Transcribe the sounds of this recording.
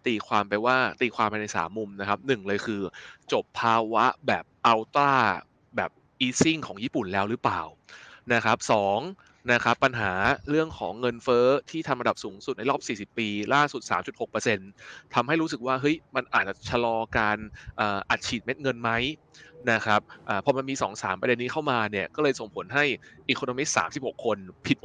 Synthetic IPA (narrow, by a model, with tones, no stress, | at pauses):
t̪iː˧kʰwaː˧mpa˧jwaː˥˩t̪iː˧kʰwaː˧mpa˧jna˧jsa̰ː˩˦mːu˧mna˦˥kʰa˦˥p̚nɯ˨˩ŋlɤː˧jkʰɯː˧t͡ɕo˨˩pʰːaː˧wa˦˥bɛː˨˩p̚ʔa˧wt̪aː˥˩ | bɛː˨˩p̚ | ʔiː˦˥si˥˩ŋkʰɔː˩˦ŋjiː˥˩pu˨˩nlɛː˦˥wɾɯ˦˥pla̰ː˨˩w | na˦˥kʰa˦˥p̚sɔː˩˦ŋ | na˦˥kʰa˦˥pːa˧nɦaː˩˦ɾɯ˥˩əŋkʰɔː˩˦ŋːɤ˧nfɤː˦˥t̪ʰiː˥˩t̪ʰa˧mʔnda˨˩p̚suː˩˦ŋsu˨˩t̪̚na˧jlɔː˥˩p̚siː˨˩si˨˩pːiː˧laː˥˩su˨˩t̪̚sa̰ː˩˦mt͡ɕu˨˩t̪ho˨˩k̚pɤː˧se˧nt̪ʰa˧mha˥˩jɾuː˦˥s̬ɯ˨˩k̚waː˥˩ɦɤ˦˥jma˧nʔaː˨˩t̪̚t͡ɕa˨˩t͡ɕʰa˧lɔː˧kaː˧nʔaː˨˩ʔa˨˩t̪̚t͡ɕʰiː˨˩t̪̚me˦˥t̪̚ŋɤ˧nma˦˥j | na˦˥kʰɾa˦˥p̚ʔaː˨˩pʰːɔ˧ma˧nmiː˧sɔː˩˦ŋsaː˩˦mpɾa˧de˧nːiː˦˥kʰa˥˩wmaː˧ni˥˩əkɔː˥˩lɤː˧jso˨˩ŋpʰo˩˦nɦa˥˩jʔiː˨˩kʰo˧noː˧mi˦˥t̪̚sa̰ː˩˦msi˨˩p̚ho˨˩kʰːo˧npʰi˨˩